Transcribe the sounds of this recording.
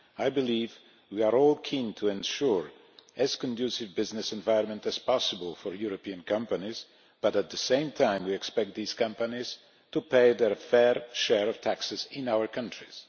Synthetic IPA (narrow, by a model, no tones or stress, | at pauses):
ajbɨliv | wiaɹɔlˠkʰĩntʰuɛ̃nʃuɹ | ʔɛz̥kɔ̃ndusɪvbɪznɨsɛ̃nvaɪə̃nmə̃ntæz̥pɑsəbəlˠfɔɹjuɹɔpiə̃nkʰʌ̃mpaniz | b̥ʌɾæt̪̚ðəsẽɪ̃mtʰãɪ̃mwiɛkspɛk̚t̪̚ðiːz̥kʌ̃mpaniz̥ | tupeɪðɛɹfɛɹʃɛɹɔv̥tʰæksɨzɪ̃naʊəɹkʰʌ̃ntʰɹ̥iz̥